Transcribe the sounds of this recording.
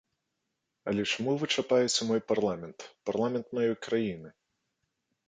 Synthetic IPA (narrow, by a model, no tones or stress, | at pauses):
ɐ̰lʲɛt͡ʂamuvɨt͡ʂapajɛt͡sʲɐmɔjparlˠamʲɛnt̪parlˠamʲɛnt̪majɔjkɾajinɨ